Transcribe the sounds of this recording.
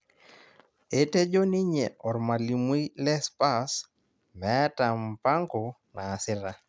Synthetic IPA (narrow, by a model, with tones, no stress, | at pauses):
e˦te˦d͡ʒo˦ni˦ɲe˨ɔ˨ɾma˨li˨mwi˦lɛ˦spa˦s | mɛ˨˦ta˨mpa˦ŋɡo˨ | naː˨sɪ˦ɾa˦